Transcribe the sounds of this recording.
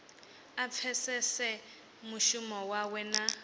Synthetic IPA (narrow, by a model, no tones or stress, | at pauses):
ap̪fʰɛsɛsɛ | muʃumɔwawɛna